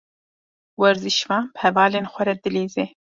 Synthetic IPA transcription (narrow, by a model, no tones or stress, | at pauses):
wɐɾziʃvɑ̃ːnbhɛvaːleːnxʷɛɾɛd̪ɨleːzeː